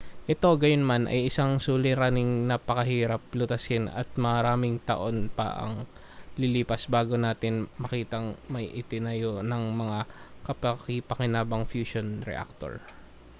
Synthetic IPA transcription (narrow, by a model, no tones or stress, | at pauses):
ʔɛt̪o̞ɡɐjonmanʔɐ̰jʔɪsaŋsuːlɪɾaːnɪŋnɐpɐkɐɦiːɾɐp̚lʊt̪ɐsɪnɐ̰t̪̚mɐɾaːmɪŋt̪ɐ̰ʔo̞npɐ̰ʔɐ̰ŋ | lɪliːpɐsbaːɡo̞naːt̪ɪnmɐkiːt̪ɐŋmɐjʔɪt̪ɪnɐjonɐŋmɐŋakɐpɐkɪpɐkɪnaːbɐŋfjuːʃonɾɛ̰ʔa̰k̚t̪o̰ɹ